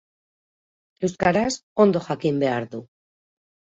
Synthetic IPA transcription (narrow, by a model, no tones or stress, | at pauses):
e̞wskaɾaso̞nd̪o̞xakimbe̞aɾðu